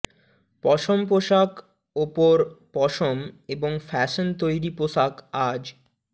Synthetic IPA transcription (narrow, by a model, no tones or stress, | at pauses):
pɔʃompoʃak | opoɾpɔʃomeboŋfɛʃont̪ojɾipoʃakad͡ʑ